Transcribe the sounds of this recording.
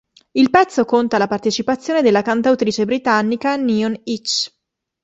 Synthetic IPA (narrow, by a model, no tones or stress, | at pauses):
ilpɛt̪sːokont̪alapart̪et͡ʃipat̪sːjoːned̪elːakant̪awt̪ɾiːt͡ʃebɾit̪anːikaniːonit͡ʃː